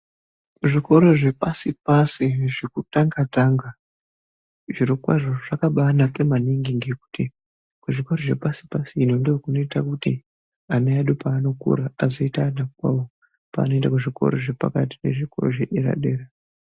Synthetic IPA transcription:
ʐiko̞ɾo̞ʐe̞pasipasiʐikutaŋɡataŋɡa | ʐiɾokwa̰ʐoʐakaɓanakemaniŋɡiŋɡeku̥ti | kuʐiko̞ɾoʐe̞̰pasi̥pasiːno̞ndokuno̞itakutḭ | aneaɗupaːno̞kṵɾaazoitaːɗakwa̰wo | pa̰ːnoentakuʐiko̞̰ɾo̞̰ʐepa̰kati̥ne̞̰ʐiko̞̰ro̰ʐe̞ɗe̞ɾa̰ɗe̞ːra

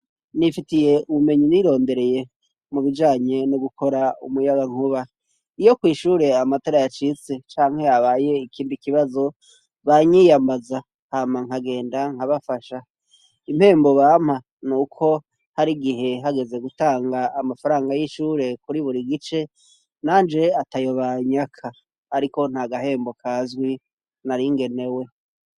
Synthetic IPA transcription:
nifitije̞ʔuβume̞ɲiniɾo̞ːnde̞ɾe̞je̞ | muβid͡ʒaːɲe̞noɡukʰo̞ɾaṵmujaɡaŋ̥uβa | ijo̞kwiːʃuːɾe̞amatoːɾajat͡ʃit͡se̞t͡ʃaːŋ̥he̞jaβaːje̞ikʰiːndikiβazo̞ | βaɲijambaza | haːmaŋ̥aɡe̞ːndaŋ̥haβafaʃa | im̥he̞ːmbo̞βaːm̥ha | nuːkʰo̞ | haɾiɡiɦe̞ɦaɡe̞ze̞ɡutaːŋɡaːmafaɾaːŋɡajiʃuːɾe̞kuɾiβuɾiɡit͡ʃe̞ | naːnd͡ʒe̞atajo̞βaɲakʰaː | ɾiko̞n̥haɡaɦe̞ːmbo̞kʰazɡwi | naɾiŋɡe̞ne̞we̞

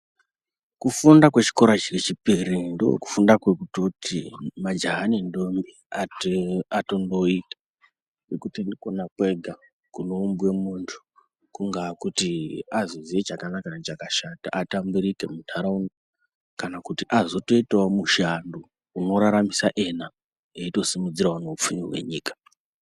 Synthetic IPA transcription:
kufundakwe̞t͡ʃi̥ko̞ɾat͡ʃirit͡ʃipirindoo̰ku̥fundakwekutotimad͡ʒaɦanindombi | a | atondo̞iːtḁ | nekutindikonakwe̞ɡʱa | kuno̞umbwe̞muntʰu̥ | kuŋɡakutiazoziet͡ʃakanakanet͡ʃakaʃata̰ʔatambuɾike̞mutʰaɾauno | kanakutiʔazoto̞itaomuʃando | uno̞ɾaɾamisaʔe̞na | eito̞simud͡ziraoneup͡fumirɦwe̞̰ɲiːkḁ

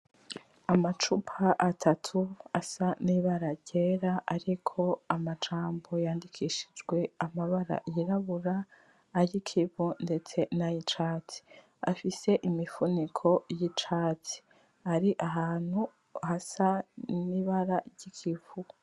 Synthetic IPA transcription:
amat͡ʃupʰaʔatʰatʰuasaniβaɾaɾɟ̥e̞ːɾaʔaɾikʰo̞amat͡ʃaːmbo̞jaːndikʰiʃi̥d͡ʒɡwe̞amaβaɾa̰jiɾaβuɾaː | jikʰivunde̞t͡se̞najit͡ʃaːt͡si̥ | afise̞ʔimifunikʰo̞jit͡ʃaːt͡si̥ | aɾiʔaɦaːn̥hu | hasaniβaɾaɾɟikʰivu

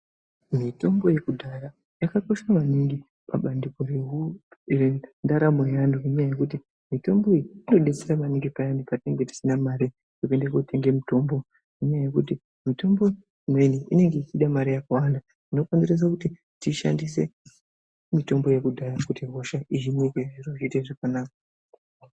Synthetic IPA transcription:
mito̞mbo̞je̞kudʱaɾa | jakako̞ʃaʋaniŋɡi | paɓandiko̞ɾeurindaɾamejandukuɲajaje̞kut̬i | mito̞mbo̞iɾiino̞ɗe̞t͡seɾamaniŋɡipajandupatine̞ŋɡe̞ti̥sinamaɾi | tokue̞ndekotʰe̞ŋɡe̞muto̞mbo | kuɲaaje̞kuti | mito̞mbo̞ | imwe̞niʔḭne̞ŋɡe̞it͡ʃiɗamaɾijakawanda | ino̞konzeres̬akuti | tiʃa̰ndise̞ | mito̞mbo̞je̞kudʱaɾakutiɦo̞ʃaiʒimwekeʐiroʐiteʐakanaːka

